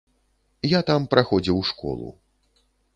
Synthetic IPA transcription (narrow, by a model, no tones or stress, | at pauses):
jat̪ampɾʔaxɔd͡zʲiwʂkɔ̰lˠṵ